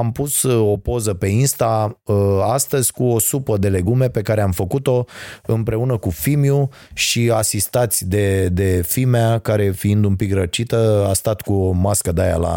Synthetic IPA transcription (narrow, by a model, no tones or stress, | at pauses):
ampuso̞po̞zəpe̞inst̪aəast̪əzʲkuo̞supəd̪e̞le̞ɡume̞pe̞kaɾeamfəkut̪o̞ɨmpɾe̞unəkufimju | ʃiasist̪at̪sʲd̪e̞d̪e̞fimeakaɾe̞fiind̪umpikɾət͡ʃit̪əast̪at̪kumaskəd̪aja̰la̰